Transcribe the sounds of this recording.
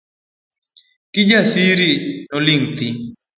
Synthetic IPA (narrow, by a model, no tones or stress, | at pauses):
kɪd͡ʒasiɾinɔliŋt̪i